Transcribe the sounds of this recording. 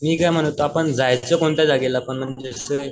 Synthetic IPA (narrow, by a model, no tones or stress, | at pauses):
miːkajm̤əɽ̃t̪oapəɳd͡zajt͡səkoɳt̪jad͡zaɡelapəɳm̤əɳd͡zesə